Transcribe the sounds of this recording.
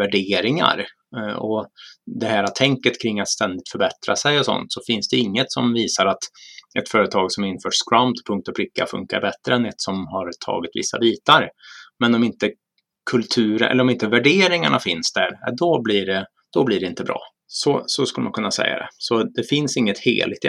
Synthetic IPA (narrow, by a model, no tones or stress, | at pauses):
væɖeːɾɪŋa̰ɾ | ɔd̪ɛhæːɾat̪ʰɛŋkət̪kʰɾɪŋːat̪st̪ɛnd̪ɪt̪fœɾbɛt̪ɾa̰sɛjɔsɔ̰nt̪sɔfɪnsd̪ɛɪŋːət̪sɔmviːsaɾat̪ɛt̪fœːɾət̪ʰɑːɡsɔmɪnːfœːʂskɾamt̪pʰɵŋkt̪ɔpʰlɪkːa̰fɵ̰ŋka̰ɾbɛt̪ɾəɛnɛt̪sɔmhaɾt̪ʰɑ̰ːɡɪt̪vɪ̰sːa̰biːt̪aɾmɛnɔmɪnt̪ə | kʰɵlt̪ʰʉ̟ːɾəɛ̰lːɾɔmɪnt̪əvæɖeːɾɪŋaɳafɪnsd̪æɾɛd̪ɔbliɖɛ | d̪̥ɔbliɖɛɪnt̪əbɾʔɑ̰ː | sɔsɔskɵləma̰nkʰɵnːasɛ̰jːa̰d̪ɛ̰sɔd̪ɛfɪnsɪŋːət̪hḛːlɪt̪